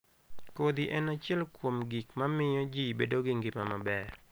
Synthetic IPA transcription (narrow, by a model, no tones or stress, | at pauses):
kod̪iʔɛnat͡ʃjɛlkwomɡikmamɪjɔd͡ʒibedoɡɪŋɡɪmamabɛr